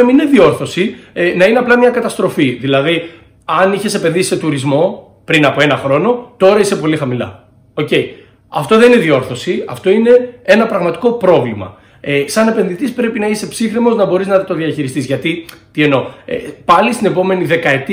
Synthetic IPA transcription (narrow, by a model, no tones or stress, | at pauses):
ɐminineðio̞ɾθo̞sienɐineɐplɐmɲɐkɐt̪ɐst̪ɾo̞fiðilɐði | ɐniçe̞se̞penðisi̥se̞t̪uɾizmo̞ | pɾinɐpo̞e̞nɐxɾo̞no̞t̪o̞ɾɐise̞po̞lixɐmilɐ̰ | o̞ce̞i | ɐ̰ft̪o̞ðe̞nine̞ðio̞ɾθo̞siɐ̰ft̪o̞ine̞enɐpɾɐɣmɐt̪i̥ko̞pɾo̞vlimɐ̰ | esɐne̞pe̞nðit̪ispɾe̞pinɐise̞psixɾimo̞znɐbo̞ɾiznɐt̪o̞ðiɐçiɾist̪izʝɐt̪it̪ie̞no̞ḛpɐlist̪ine̞po̞me̞niðe̞kɐe̞t̪i